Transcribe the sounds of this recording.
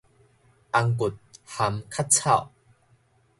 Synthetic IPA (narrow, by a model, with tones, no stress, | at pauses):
ʔa˧ŋku˨˩t̪̚ha˨˦mkʰa˥t̚t͡sʰa̰˥˩˨w